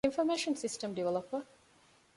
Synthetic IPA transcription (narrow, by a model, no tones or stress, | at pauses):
ɪ̃ɱfɔmeʃə̃nsɪstə̃mdiʋɛləpə